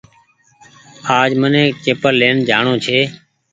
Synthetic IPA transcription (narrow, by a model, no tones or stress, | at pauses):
aːd͡ʒmənẽːkeːpəlleːnd͡ʒʱaːɳõːt͡ʃʰeː